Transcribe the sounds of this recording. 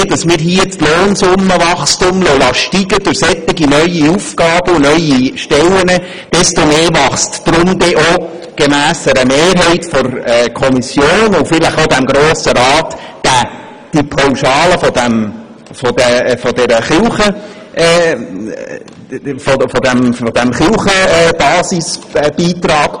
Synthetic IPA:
d̥ɑsmɪːɾɦiət͡sloːnsʊmːəʋɑχstʊmlolɑʃtiɡəd̥ʊɾsɛt̪ːɪɡinœʏiufɡɑːb̥əʊnœʏiʃtɛlənə | d̥ɛstomeːvɑχstd̥ɾʊmd̪ɛʔo | ɡ̥emæːsəɾəmeːrɦɛɪtfɔrɛːkʰɔmisjoːnʊfɪləχodæmɡɾoːsəɾɑːt̪d̥æ | d̥ipʰawʃɑːləfɔdæm | fodɛfɔdɛɾəχɪlχə | ʔː | fofɔdæmfodæmχɪlχəɛːb̥ɑːsisb̥iːt̪ɾɑːɡ̥

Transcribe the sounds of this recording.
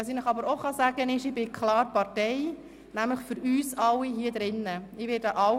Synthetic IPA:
ɑsinəχɑbəɾoχɑsæːɡənɪʃɪbɪkʰlɑːɾpɑɾtɛɪ | næmləχfʏɾyːsɑlːiɦiːədɾɪnːəɪʋɪːdəʔɑ

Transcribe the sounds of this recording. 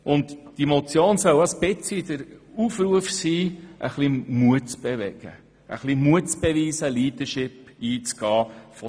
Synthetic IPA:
ʊntd̥imot͡sjoːnsœwɑspɪt͡sid̪əɾuːfɾuəfsiːʔə̰χlimuətt͡sb̥eʋɛ̰ɡ̥ə̰ | ʔə̰χlimuətt͡sb̥eʋiːsəliːd̪əʃɪpiːt͡sɡ̥ɑːfɔ

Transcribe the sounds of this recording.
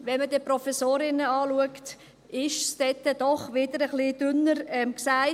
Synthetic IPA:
ʋɛnmədiːpɾɔfɛsoːɾɪnəɑːluəkt | ɪʃsd̥ɛtːəd̥̪ɔχʋɪd̥̪əɾəχlid̥ʏnəɾɛmksaɪ

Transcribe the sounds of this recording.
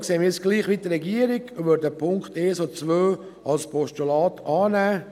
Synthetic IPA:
kseːənmɪt͡sɡ̥liːχʋidəɾɛɡiəɾiɡʋøɾdəpʰʊŋkχteːsot͡sʋøː | ɑlspʰɔʃtulɑːtʰɑːnæː

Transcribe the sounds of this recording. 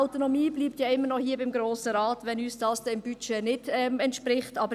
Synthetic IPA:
aʊtonɔmiːbliːp̚tjɑːɪmːənɔhiːɐbɪmɡɾoːsəɾaːtʋɛnyːsd̥ɑːsd̥ɛɪmb̥yt͡ʃeːnɪd̥ɛmɛntʃpɾɪχtɑbə

